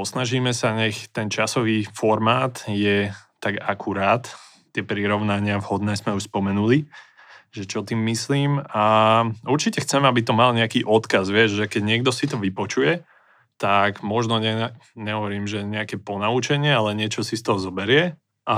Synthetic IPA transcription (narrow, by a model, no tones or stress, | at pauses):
ɔsnaʒiːmɛsaɲɛxt̪ɛnt͡ʃasɔʋiːfɔɾmaːt̪jɛt̪aɡakʰuɾaːt̪ | t̪ːɪɛpɾiɾɔʊnaɲɪavhɔd̪nɛːzmɛuspɔmɛnuli | ʒɛt͡ʃɔt̪iːmːisliːmauɾt͡ʃicɛxt͡sɛmɛabit̪ɔmalɲɛakiːʔɔt̪kazʋɪɛʒʒɛkɛɟɲɪɛɡd̪ɔsit̪ɔʋipɔt͡ʃujɛ | t̪aɡmɔʒnɔɲɛɲɛɦɔʋɔɾiːmʒɛɲɛakɛːpɔnaut͡ʃɛɲɪɛalɛɲɪɛt͡ʃɔsist̪ɔɦɔzɔbɛɾɪɛ | ʔa